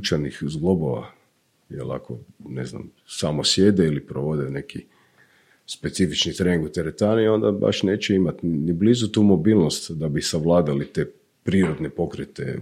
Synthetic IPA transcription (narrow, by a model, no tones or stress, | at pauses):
t͡ʃanixzɡlˠo̞bo̞ʋa̰ | jḛla̰kʰo̞nḛzna̰m | samosje̞d̪eilipɾoʋo̞d̪ene̞ki | spet̪sifit͡ʃnit̪ɾeniŋɡkut̪eɾet̪anio̞nd̪aba̰ʃne̞ːt͡ɕeimat̪niblizut̪uːmo̞biːlˠno̞st̪d̪abisaʋlˠaːd̪alit̪eː | pɾiːɾo̞d̪nepo̞kɾet̪ḛ